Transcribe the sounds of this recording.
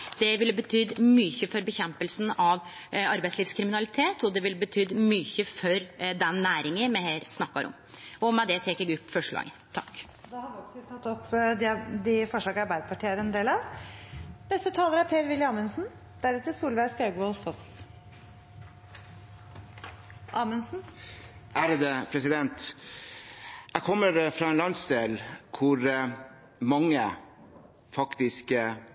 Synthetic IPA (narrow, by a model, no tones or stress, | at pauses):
d̪̥ɛʋɪləbət̪ʰyːd̪myːçəfɔɾbəçɛmpəlsn̩ɑʋ | ɑɾbæɪtsliːfskʰɾɪmɪnɑlɪt̪ʰeːt̪ɔd̪ɛʋɪlbət̪ʰyːd̪myːçəfɔɾd̪ɛnːæːɾɪŋəmɛheːɾsnɑkːɑɾʔɔ̰m | ɔmɛd̪ɛt̪ʰɛːkɛɡʉpːfɔʂɭɑ̰ːɡə | t̪ʰɑkː | d̪ɛhɑd̪ɪɔksɔt̪ʰɑt̪ːɔpːd̪ɪd̪ɪfɔʂɑːɡəɑɾbæɪd̪əpɑʈʰiːəɾɛnd̪eːlɑʋ | nɛst̪ət̪ʰɑːləɾæɾpʰeːɾʋɪlɪəɑːmʉnsn̩ | d̪̥æɾʉt̪ːəɾsuːlʋæɪskɑɡɔlfɔs | ʔɑːmʉnsn̩ʔæːɾəd̪əpʰɾɛsɪd̪ɛnt̪ | æɪkʰɔmːəɾfɾɑːɛnlɑnsd̪eːlkʰʊɾ | mɑŋːə | fɑkt̪ɪsk